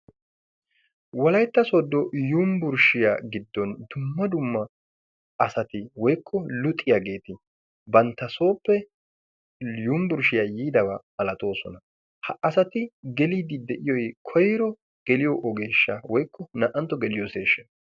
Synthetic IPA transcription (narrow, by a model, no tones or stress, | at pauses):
wɐlɐjt̪ːɐsod̪ːɔjumbʊɾʃɪjaɡɪd̪ːɔnd̪ʊmːɐd̪ʊmːɐ | ɐsɐt̪ɪwɔjkʰːɔlʊt̪ʼːɪjaɡe̞ːt̪ɪ | bɐnt̪ːɐso̞ːpːɛ | jumbʊɾʃɪjaːjiːd̪ɐwɐmɐlɐt̪ʼo̞ːsɔnɐ | hɐʔɐsɐt̪ɪɡɛliːd̪ɪd̪ɛʔɪjɔjkʰɔjɾɔ | ɡ̥ɛlɪjɔʔɔɡe̞ːʃːɐwɔjkːɔnɐʔɐnt̪ːɔɡɛlɪjɔseːʃːɐ̥